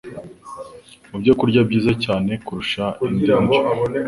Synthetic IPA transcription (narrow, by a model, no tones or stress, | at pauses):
ubɟokuɾɟabɟiːzacaːne̞kuɾuʃainiːn